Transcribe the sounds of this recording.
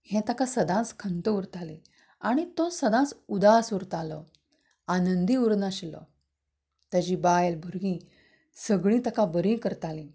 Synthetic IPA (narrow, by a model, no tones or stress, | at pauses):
hɛ̃t̪akasəd̪ãt͡skʰənt̪əuɾt̪ali | aɽ̃it̪ɔsəd̪ãt͡sud̪asuɾt̪alɔ | anənd̪iuɾnaɕlɔ̰ | t̪əd͡ʑibajlbʱuɾɡĩ | səɡɭĩt̪əkabəɾĩːkəɾt̪alĩ